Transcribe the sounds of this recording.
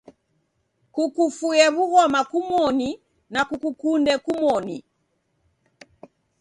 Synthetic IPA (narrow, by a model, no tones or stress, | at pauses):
kukufujɛβuɣɔmakumɔni | nakukukundɛkumɔni